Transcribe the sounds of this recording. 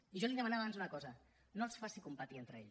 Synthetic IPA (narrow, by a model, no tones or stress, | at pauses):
iʒɔliðəmanaβanzunəkɔzə | nolˠsfasikumpət̪ient̪ɾəeʎ